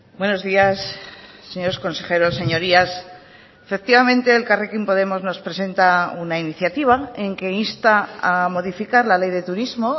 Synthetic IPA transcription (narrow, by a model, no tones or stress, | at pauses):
bwe̞no̞zðiasːe̞ɲo̞ɾosko̞nse̞xe̞ɾo̞sːe̞ɲo̞ɾias | efe̞k̚t̪iβamẽ̞nt̪e̞ːlkarekimpo̞ð̞e̞mo̞zno̞spɾe̞se̞nt̪aunainiθjat̪iβ̞ae̞ŋke̞inst̪aamo̞ðifikaɾlale̞jðe̞t̪uɾizmo̞